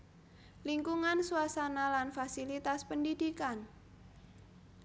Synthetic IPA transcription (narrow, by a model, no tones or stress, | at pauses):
liŋkuŋansuasanalanfasilit̪aspəndidikan